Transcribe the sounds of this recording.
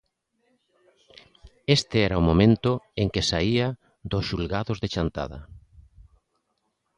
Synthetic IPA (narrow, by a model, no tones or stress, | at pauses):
est̪eɛɾaʊmomẽnt̪ʊeŋkesaia | d̪ʊsʃulɣaðozðet͡ʃant̪a̰ðɐ̰